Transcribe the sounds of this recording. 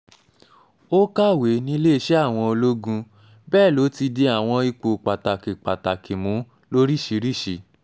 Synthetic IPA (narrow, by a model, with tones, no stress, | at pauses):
o˦ka˦˨we˨˦nĩ˦le˦i˧˦ʃɛ˦a˦˨w̃ɔ̃˧o˧lo˦ɡũ˧ | bɛː˦˨lo˨˦ti˧de˧a˨w̃ɔ̃˧i˧k͡po˨k͡pa˨ta˨ki˨k͡pa˨ta˨ki˨mũ˨˦ | lo˦ɾi˦˨ʃi˨˦ɾi˦˨ʃi˧˦